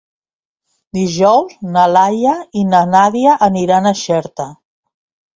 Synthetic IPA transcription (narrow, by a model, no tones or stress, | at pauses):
d̪iʒɔwznalajainanaðiaʔːniɾanəʃɛɾt̪ə